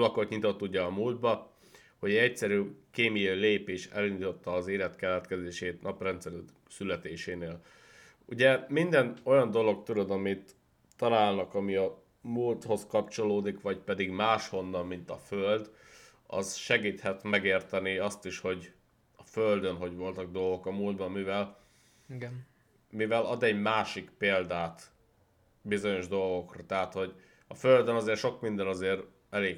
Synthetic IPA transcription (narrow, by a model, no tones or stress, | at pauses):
lɒkot̪ɲit̪o̞t̪ːuɟɛɒmuːld̪̚bɒ | ho̞ɟɛɛcsɛɾyːkeːmijɒileːpeːʃɛ̰lind̪it̪o̞t̪ːɒːzeːlɛt̪kɛlɛt̪kɛzeːʃeːt̪nɒprɛnt̪sɛɾy | sylɛt̪eːʃeːneːl | ṵɟɛmind̪ɛno̞jɒnd̪o̞lo̞kt̪ud̪od̪ɒmit̪ː | ɒnaːlnɒkɒmiɒ | muːlt̪ho̞skɒpt͡ʃo̞loːd̪ikʋɒcpɛd̪iɡmaːʃho̞nːɒmːint̪ɒføld̪ | ɒ̰zʃɛɡiːt̪hɛt̪mɛɡeːrt̪ɛniɒst̪iʃho̞ɟ | ɒføld̪ønɦo̞ɟʋo̞lt̪ɒɡ̚d̪o̞lɡo̞kɒmuːld̪bɒmːivɛl | ɡ | mivɛlɒd̪ɛɟmaːʃikpeːld̪aːt̪ | bizo̞ɲo̞ʒd̪o̞lɡo̞krɒt̪ɛɦat̪ho̞ɟ | ɒføld̪ønɒzeːrʃo̞kmind̪ɛnɒzeːɾ | ɛleːɡ